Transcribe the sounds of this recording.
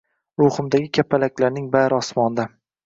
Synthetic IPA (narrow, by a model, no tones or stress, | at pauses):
ɾʊχʊmd̪aɡʲɪkʲʰapʰːalakʲlaɾnɪŋbaɾɒsmɒnd̪a